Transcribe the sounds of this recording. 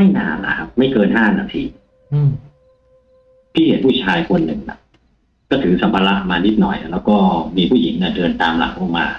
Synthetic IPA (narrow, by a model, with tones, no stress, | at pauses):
ma˥˩jnaː˧nla̰˨˧˩kʰa˦˥p̚ma˥˩jkɤː˧nɦaː˥˩na̰ː˧t̪ʰḭː˧˩ | t̪ʰiː˥˩he˨˩˦npʰuː˥˩t͡ɕʰaː˧jkʰo˧nːɯ˨˩ŋla̰˨˩ʔ | kɔː˥˩t̪ʰɯ˨˩˦sa˨˦mpʰaː˧la˦˥ʔmaː˧ni˦˥t̪̚nɔ̰˨˩jlɛː˦˥wkɔː˥˩miː˧pʰuː˥˩ji˨˩˦ŋna˧˥˩dɯ˧ənt̪aː˧mla̰˨˩˦ŋ̚ʔo˧˩ŋmaː˧